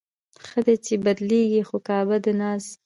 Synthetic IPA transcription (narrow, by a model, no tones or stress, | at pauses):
xəd̪et͡ʃebad̪leɡixokɑbad̪ənɑs